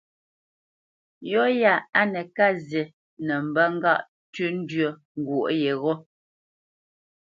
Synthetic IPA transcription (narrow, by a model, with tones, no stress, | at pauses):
jɔ˦ja˦˨a˦nɛ˨ka˦˨zjɛ˨ | nɛ˨m̩˨bə˦ŋ̩˦ɡa˦˨ʔ | tʉ˦n̩˦dɥə˦˨ | ŋ˨ɡwo˨ʔjɛ˨ɣɔ˦